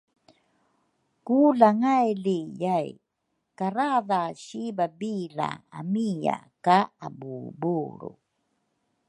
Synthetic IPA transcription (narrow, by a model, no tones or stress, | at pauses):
kulaŋajlijaj | kaɾaðaɕibabila̰a̰mija̰kaabubuɾṵ